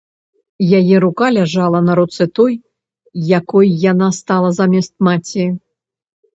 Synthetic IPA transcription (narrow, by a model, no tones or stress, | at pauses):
jajɛɾukalʲaʐalˠɐnɐɾut̪sɨt̪ɔjː | akɔjːanast̪alˠɐzamʲɛst̪̚mat͡sʲi